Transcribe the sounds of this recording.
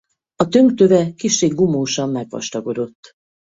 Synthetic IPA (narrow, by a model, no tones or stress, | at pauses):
ɒt̪ø̞ŋkt̪øvɛkiʃːeːɡːumoːʃɒmːɛɡʋɒ̰ʃt̪ɒɡo̞d̪o̞t̪ː